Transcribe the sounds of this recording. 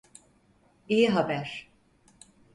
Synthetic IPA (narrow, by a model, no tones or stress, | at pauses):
ijiɦabæɾ̥